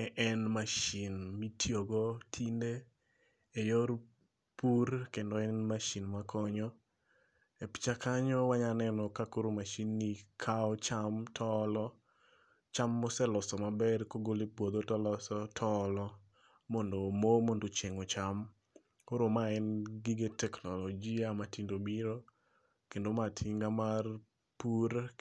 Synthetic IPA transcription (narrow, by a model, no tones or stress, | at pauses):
ɛʔɛnmaʃinmitʰjoɡɔtʰinde | ejɔr | puɾkendɔɛnmaʃinmakʰɔɲɔ | epi̥t͡ʃakaɲɔwaɲanɛnɔkakoɾomaʃinːikʰaɔt͡ʃamtʰɔlɔ | t͡ʃamːɔsɛlɔsɔmabɛrkoɡolepwod̪otɔlɔsɔtʰɔlɔ | mɔndomomɔndot͡ʃeŋɔt͡ʃam | koɾomaɛnɡiɡetɛknɔlɔd͡ʒiamatindobiɾo | kendomatʰiŋɡamar | puɾ